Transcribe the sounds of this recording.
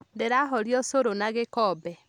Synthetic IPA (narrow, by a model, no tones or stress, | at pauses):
ndeɾaɦɔɾjɔsoɾonaɣekɔbɛ